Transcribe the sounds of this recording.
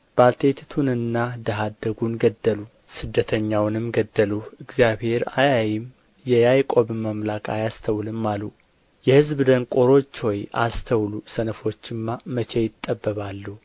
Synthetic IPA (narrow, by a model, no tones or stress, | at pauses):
b̥alt̪ʰe̞t̪ʰt̪ʰunɨnːad̪əɦad̪ːəɡunɡəd̪ːəlu | sɨd̪ːət̪ʰəɲːawnɨmɡəd̪ːəluɨɡzijaβhe̞ɾajajɪm | jɛjajkʼo̞βməmlakʼa̰jast̪ʰəwlɨmːalu | jɛhɨzbɨd̪əŋkʼo̞ɾo̞t͡ʃːwɔja̰st̪ʰəwlusənəfo̞t͡ʃːɨmːamət͡ʃʰejɪt̪ʼːəbːəβalːu